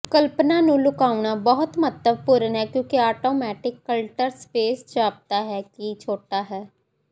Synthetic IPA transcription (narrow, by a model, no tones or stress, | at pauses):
kəlpnãːnũːlʊkaːuɳaːbɔɦʊt̪mət̪ləbpʊɾənɦɛːkjõːkiaːʈoːmɛːʈɪkːəlʈəɾspeːst͡ʃaːp̚t̪aːɦɛːkit͡ʃʰoːʈaːɦɛː